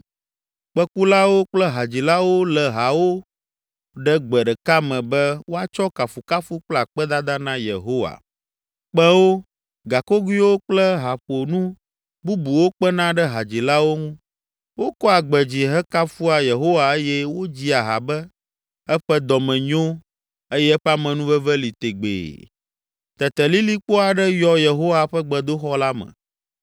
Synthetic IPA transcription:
k͡pɛ˦ku˦la˦wo˦k͡plɛ˦ɦa˨d͡ʑi˨la˦wo˦lɛ˨ɦa˨wo˦ | ɖɛ˦ɡ͡bɛ˨ɖɛ˨ka˦mɛ̃˨bɛ˦wo˦a˦t͡ʃɔ˦ka˨fu˨ka˦fu˦k͡pla˨k͡pɛ˦d̪a˦d̪a˦nã˦jḛ˨ɦo˦wa̰˨ | k͡pɛ̃˦wo˦ | ɡa˨ko˦ɡu˦i˦wo˦k͡plɛ˦ɦa˨ɸo˨nũ˦ | bu˦bu˨wo˦k͡pɛ˦nã˦ɖɛ˦ɦa˨d͡ʑi˨la˦wo˦ŋũ˦ | wo˦kɔ˦a˨ɡ͡bɛ˨d͡ʑi˨ɦɛ˦ka˦fu˦a˨je˨ɦo˦wa˨e˦jɛ˦wo˦d͡ʑi˦a˨ɦa̰˨bɛ˦ | ɛ˦ɸɛ˦d̪ɔ˨mɛ̃˨ɲõ˦ | e˦jɛ˦ɛ˦ɸɛ˦a˦mɛ̃˨nũ˦vɛ˦vɛ˦li˨t̪e˨ɡ͡bḛ˨ | t̪ɛ˨t̪ɛ˨li˦li˦k͡po˦a˨ɖɛ˦jɔ˦je˨ɦo˦wa˨ɸɛ˦ɡ͡bɛ˨d̪o˦xɔ˦la˦mɛ̰̃˨

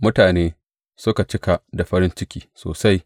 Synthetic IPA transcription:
mʊ˦taː˨neː˦ | sʊ˦ka˨t͡ʃɪ˦ka˨da˨ɸɐ˦ɾɪ˦nt͡ʃɪ˦kʲiː˦so̰ː˨sa˦j

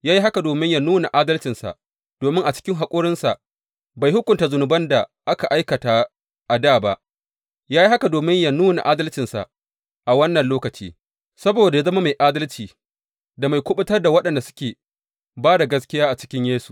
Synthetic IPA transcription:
jaː˦ji˦ɦa˦ka˨doː˨mɪ˦ɲja˦nuː˦na̰˨ʔaː˦dɐ˦lt͡ʃɪ˨nsa̰˨ʔ | d̥oː˨mɪ˦ŋʔa˨t͡ʃɪ̥˦kʲɪ˦ŋɦa˨kʷʼoː˦ɽɪ˦nsa˨ʔ | ba˨jhʊ˦kʷʊ˨nta˨zʊ˨nʊ˨bɐ˦nda˨ʔa˦ka˨ʔa˦jkɐ˨ta˨ | ʔa˨daː˦˨ba˦ʔ | jaː˦ji˦ɦa˦ka˨doː˨mɪ˦ɲja˦nuː˦na̰˨ʔaː˦dɐ˦lt͡ʃɪ˨nsa̰˨ʔ | ʔa˨wɐ˦nːɐ˨nloː˦kɐ˨t͡ʃḭː˦ | sɐ˦boː˨da˨ja˦zɐ˦ma˦ma˨jʔaː˦dɐ˦lt͡ʃiː˨ | da˨ma˨jkʷʊ˦ɓʊ˦tɐ˦rda˨wɐ˦ɗɐ˨nda˨sʊ̥˦kʲeː˨ | baː˦da˨ɡɐ˦s̬kʲɪ˦jaː˦ʔa˨t͡ʃɪ̥˦kʲɪ˦ɲjeː˦su̥˨

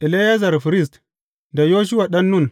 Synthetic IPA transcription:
ʔi˨le˦ja˦za˨ɾfi˨ɾi˦˨st | nda˨jo˦ʃ̬u˦wa˨ɗa˦nːu˦˨n

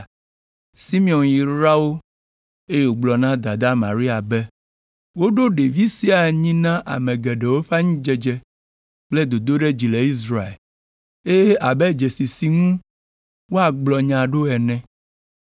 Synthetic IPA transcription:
si˦mi˨ɔ˨nji˨ɾa˦wo˦ | e˦je˨wo˨ɡ͡blɔ˨nã˦d̪a˨d̪a˦mã̰˨ɾi˦a˨bɛ˦ | wo˦ɖo˦ɖe˨vi˦si˦a˨ɲĩ˦nã˦ʔa̰˨mɛ̃˨ɡɛ˨ɖɛ˨wo˦ɸa˦ɲũ˦d͡ʒɛ˨d͡ʒɛ˦ | k͡ple˦d̪o˨d̪o˦ɖe˦d͡ʑi˨le˨i˦s̬ɾa˨ḛ˨l | e˦je˦a˨bɛ˦d͡ʒe˨si˨si˨ŋũ˦ | wo˦a˨ɡ͡blɔ˨ɲã˨ɖo˦ɛ˨nɛ̃˦

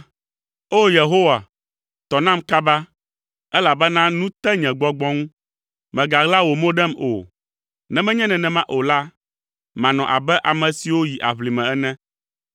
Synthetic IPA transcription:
o˦je˨ɦo˦wa˨ | t̪ɔ˨nã˦mka˦ba˦ | ɛ˦la˨bɛ˦nã˦nũ˦t̪ɛ˦ɲɛ̃˨ɡ͡bɔ˨ɡ͡bɔ˦ŋũ˦ | mɛ̃˨ɡa˨ɣla˦wo˨mo˦ɖɛ˦mo̰˨ | nɛ̃˨mɛ̃˦ɲɛ̃˦nɛ̃˨nɛ̃˨mã˦ʔo˨la˦ | mã˨nɔ̃˨ʔa̰˨bɛ˦ʔa˨mɛ̃˨si˨wo˦ji˨ʔa̰˨βli˨mɛ̃˨ɛ˦nɛ̃˦

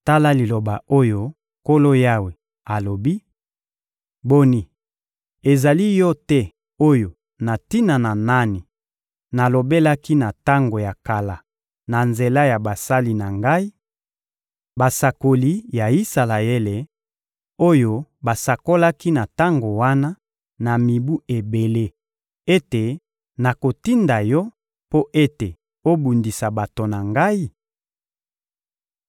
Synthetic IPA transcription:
ta˦la˦li˨lo˨ba˨o˦jo˦ | ko˦lo˦ja˦we˨ | a˨lo˨bi˦ | bo˦ni˨ | e˨za˨li˦jɔ˦tɛ˦ | o˦jo˨ | na˨ti˦na˨na˨na˦ni˨ | na˨lo˨be˦la˦ki˦na˨ta˦ŋɡo˨ja˨ka˨la˨ | na˨nze˨la˦ja˨ba˨sa˦li˨na˨ŋɡa˦i˦ | ba˨sa˨ko˨li˦ja˨i˦sa˨la˨je˦le˨ | o˦jo˦ba˨sa˨ko˦la˦ki˦na˨ta˦ŋɡo˨wa˦na˦ | na˨mi˨bu˦e˨be˨le˦ | e˦te˨ | na˨ko˨ti˦nda˨jɔ˦ | po˦ʔe˦te˨ | o˦bu˨ndi˨sa˨ba˨to˨na˨ŋɡa˦i˦

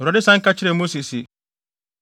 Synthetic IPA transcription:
ɾa˨di˦sã˦ŋka˦t͡ʃi˦ɾe˨mu˦si˨si˨

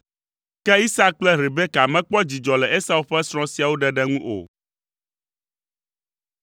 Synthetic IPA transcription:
kɛ˦i˦sa˦k͡plɛ˦ɾe˨bɛ˦ka˨mɛ̃˦k͡pɔ˦d͡ʑi˨d͡ʒɔ˨lɛ˨ʔe˦sa˦wu˦ɸɛ˦sɾ̃ɔ̃˦si˨a˨wo˦ɖɛ˨ɖɛ˦ŋũ˦ʔo̰˨

